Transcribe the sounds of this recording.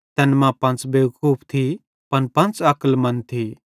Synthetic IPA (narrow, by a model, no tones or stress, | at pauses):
t̪ɛnmãpɐ̃nt͡sbewkuːpʰt̪ʰi | pɐnpɐ̃nt͡sɐklmɐnt̪ʰi